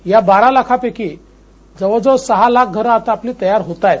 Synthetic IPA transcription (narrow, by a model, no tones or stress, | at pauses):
jabaɾalakʰapeki | d͡zəʋəd͡zəʋsəɦalak̚ɡʱəɾəat̪aːpliːt̪əjaɾɦot̪aj